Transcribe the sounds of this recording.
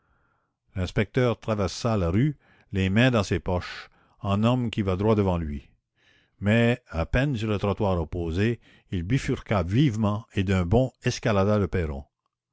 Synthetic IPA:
lɛ̃spɛk̚t̪œːʁt̪ʁavɛʁsalaʁy | lemɛ̃d̪ɑ̃seːpɔʃ | ɑ̃nɔmkʲivad̪ʁwad̪əvɑ̃lɥi | mɛapɛnsyʁlət̪ʁɔt̪waːʁopoːze | ilbifyʁkavivmɑ̃ed̪œ̃bɔ̃ɛskalad̪aləpɛːʁɔ̰̃

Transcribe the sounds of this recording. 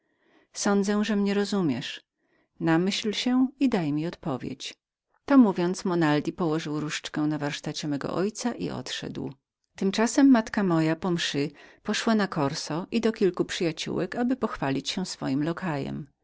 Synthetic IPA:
sɔnd̪zɛ̃ʐɛmɲɛɾɔzumʲjɛʂ | namɘɕlɕɛid̪ajmʲiɔt̪pɔvʲjḛt͡ɕ | t̪ɔmuvʲjɔnt̪smɔnald̪ʲipɔwɔʐɘwɾuʂt͡ʂkɛ̃w̃navaɾʂt̪at͡ɕɛmɛɡɔ̰ʔɔjt̪saʔḭʔɔ̰t̪ʂɛ̰d̪w | t̪ɘmt͡ʂasɛmːat̪kamɔjapɔmʂɘpɔʂwanakɔɾsɔʔid̪ɔkʲilkupʂɘjat͡ɕṵwɛkabɘpɔxfalʲit͡ɕɕɛsfɔ̰jimlɔkʰajɛ̰m

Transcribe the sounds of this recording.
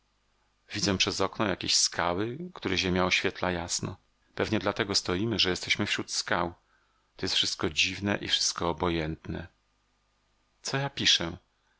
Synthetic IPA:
vʲid̪zɛpʂɛzɔknɔjakʲeɕskʰawɘkt̪uɾɛʑemjaɔɕfʲɛt̪lajasnɔ | pɛvɲɛd̪lat̪ɛɡɔst̪ɔjimɘʐɛjɛst̪ɛɕmɘfɕɾut̪skaw | t̪ɔjɛst̪fʂɘst̪̚kɔd͡ʑivnɛʔifʂɘ̥st̪̚kɔːbɔjɛnt̪nɛ̰ | t̪sɔjapʲiʂɛ

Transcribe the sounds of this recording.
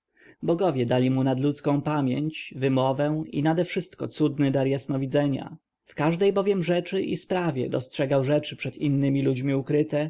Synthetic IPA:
bɔɡɔvʲjɛd̪alʲimunad̪lut̪skɔ̃w̃pamʲjḛɲt͡ɕvɘmɔvɛḭnad̪ɛfʂɘst̪̚kɔ̰t̪sud̪nɘd̪aɾjasnɔvʲid̪zɛɲa̰ | fkaʐd̪ɛjbɔvʲjɛmʐɛt͡ʂɘʔḭspɾavʲjɛ̰d̪ɔstʂɛɡawʐɛt͡ʂɘpʂɛt̪inːɘmʲilud͡ʑmʲiukɾɘt̪ɛ

